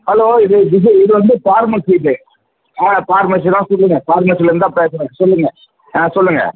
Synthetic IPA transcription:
hɐloːɪðɯʋɪs̬ɐɪðɯʋɐnd̪ɯpaːɾmɐsiːʈːɯ | ãːpaːɾmɐs̬iɾãːsɔlːɯŋɡɐpaːɾmɐs̬ilɐɾɯnd̪ãːpeːsɐɾaːkːɐsɔlːɯŋɡɐ | ãːsɔlːɯŋɡɐ̰

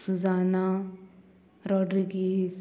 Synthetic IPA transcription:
suzaːna | ɾɔːɖɾiɡi

